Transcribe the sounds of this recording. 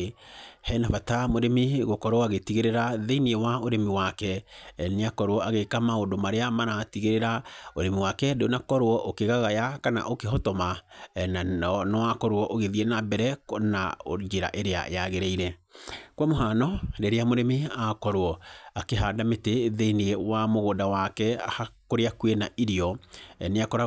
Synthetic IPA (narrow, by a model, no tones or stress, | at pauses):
hɛnavatamoɾemiɣokɔɾwɔaɣetiɣeɾeɾaðeiniewaoɾemiwakɛneakɔɾwɔaɣekamaodomaɾeamaɾatiɣeɾeɾaoɾemiwakɛdeonakɔɾwɔʔokeɣaɣajakana̰ʔokeɦɔtɔmananɔakɔɾwɔʔoɣeðienabɛɾɛna̰od͡ʒeɾa̰ʔeɾea̰jaɣeɾeiɾɛkwamoɦanɔɾeɾeamoɾemeakɔɾwɔakeɦaːdameteðeiniewamoɣodawakɛhakoɾeakwenaʔiɾiɔneakɔɾa